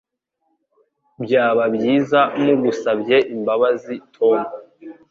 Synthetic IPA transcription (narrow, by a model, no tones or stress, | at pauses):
bjaːβabjiːzamuɡusabje̞ʔimbaβazitʰo̞mu